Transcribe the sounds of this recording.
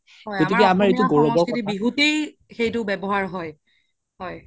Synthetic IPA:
ɔɡotikkɛamaɹejtuɡoɹɔbɔtibiɦute | xejtʊbɛbɔɦaɹɦɔj | hɔj

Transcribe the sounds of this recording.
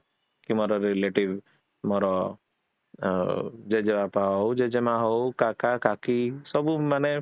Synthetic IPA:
kimɔɾɔɾeleʈiʋ | mɔɾɔ | d͡ʒed͡ʒemapaɦɔwd͡ʒed͡ʒemaɦɔukakakakisɔbumane

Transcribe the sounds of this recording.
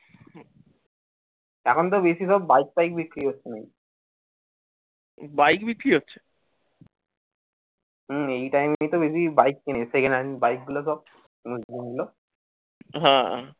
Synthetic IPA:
ɛkʰont̪obesisɔbːajk̚bajk̚bikːɾiɦotːɕʰenaej | bajkbikːɾiɦotːɕʰe̥ | ɦejʈajmeit̪obes̬ibajk̚ːinesekenabajk̚ɡulos̬ɔb̚ | muslimulo | ɦãã

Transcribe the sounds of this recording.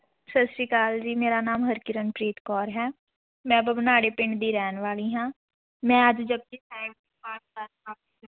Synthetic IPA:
səsɾiːkaːld͡ʒiːmeːɾaːnaːmɦəɾkɪɾənpɾeːt̪kɔːɾɦɛː | mɛ̃ːbəbənaːɽeːpɪɳd̪iːɾɛːnʋaːliːɦãː | mɛ̃ːəd͡ʒd͡ʒəb̚keːsaːɪbiːaːɾaː | aː

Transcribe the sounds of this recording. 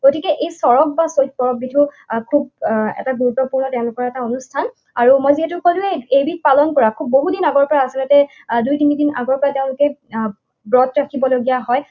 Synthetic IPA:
ɡotikɛʔejsɔɹɔk̚basot̚kɔɹɔk̚bitʰu | kʰubɛ̰taɡuɹut̪ːɔpuɹnɔteʊ̃lʊkɔɹɛtaonustʰan | aɹumojziɦɛtʊkolueejbit̚palɔnkɔɹakʰubːoɦudinaɡɔɹpɔɹaːsilɔtɛ | dujtinidina̰ɡɔɹpɔɹateʊ̃lʊkɛ | bɹɔt̪ɹakʰibɔloɡijaɦɔj

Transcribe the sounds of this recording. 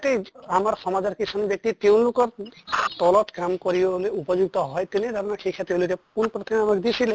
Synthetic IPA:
t̪eamaɾxɔmad͡ʒɔɾkisʰɔnbjɔk̚t̪it̪ew̃lukɔɾt̪ɔlɔt̪kamkɔɾibɔboleupɔd͡ʒuɡ̚t̪ɔɦɔjt̪ened̪ʱɔɾɔnakʰekʰat̪ew̃lukepunpɾɔt̪ʰɔmeamakd̪isʰile

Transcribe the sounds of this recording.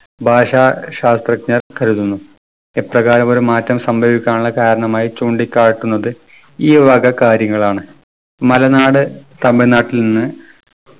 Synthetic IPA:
bʱaːʂaːɕaːst̪rɐkɲɐrkɐɾuðunːu | eprɐɣaːɾɐmo̞ɾumaːtːɐmsɐmbʱɐʋikʲːaːɳuɭːɐkaːɾɐɳɐmaːjit͡ɕuːɳɖikʲːaːɻʈːunːɐðɨ | iːʋɐɡɐkaːɾjɐŋːɐɭaːɳɨ | mɐlɐnaːɽɨt̪ɐmbinaːʈːilninːɨ

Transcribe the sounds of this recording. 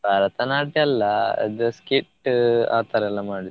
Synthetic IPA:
bʱaːɾɐt̪ɐnaːʈiɐlːɐɐ̰d̪ɐskiʈːa̰ːt̪ɐɾɛlːɐmaːɽid̪

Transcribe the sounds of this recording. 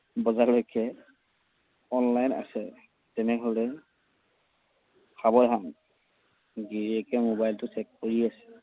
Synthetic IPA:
bɔzalojkɛ | ɔnlajna̰sɛ | tɛnɛɦolɛ | xʰabɔdʱan | ɡiɹɛkɛmobajltʊt͡ʃɛkːoɹiasɛ̥

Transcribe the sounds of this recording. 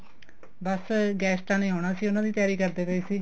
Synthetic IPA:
bəsɡɛːsʈãːneːoːɽ̃aːsiːʊnãːd̪iːt̪jaːɾiːkəɾd̪eːpəiːsiː

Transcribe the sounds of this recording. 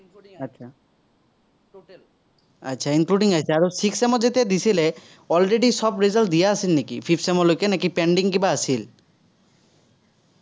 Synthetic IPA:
tːt͡ʃʰa | a̰tːʃʰainkluɖiŋasaaɹosiksemɔzet̪ed̪isile | ɔlɹeɖisɔbɾizal̚d̪ijaːsilnikipʰipʰsemɔlokenakipeɳɖiŋkibaasil

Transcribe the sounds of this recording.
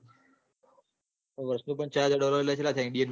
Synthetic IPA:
oʋəɾsnũpəɳt͡ʃad͡ʒaɖɔləɾelat͡ʃʰelat̪ʰɛ̃ŋɖijən

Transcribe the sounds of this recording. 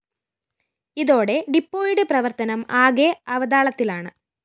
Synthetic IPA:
iðo̞ːɽe̞ɖipːoːjɽeprɐʋɐrt̪ɐnɐmaːɡeɐʋɐd̪aːɭɐt̪ːilaːɳɨ

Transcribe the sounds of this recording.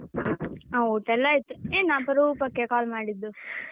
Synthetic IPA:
awot̪ɛlːait̪ːueːnapɐɾupɐkːekaːlmaːɽid̪ːu

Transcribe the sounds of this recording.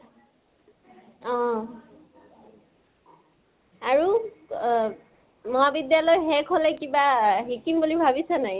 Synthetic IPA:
ɔ̃ | aɹu | mɔɦabidjalɔjɦɛkʰolɛkibaɦikimbulibʱabisanaj

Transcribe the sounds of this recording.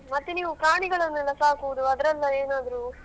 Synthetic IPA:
mɐt̪ːeniːʋupɾaːɳiɡɐɭɐnːɛlːɐsaːkuʋd̪uɐd̪ɐɾɛlːɐeːnaːd̪ɾu

